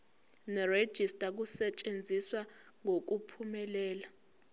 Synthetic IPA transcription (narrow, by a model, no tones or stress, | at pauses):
nɛred̥ʒ̥ʱistʼak̬usɛt͡ʃʼend͡zʱiswa | ŋok̬upʰumɛlɛːla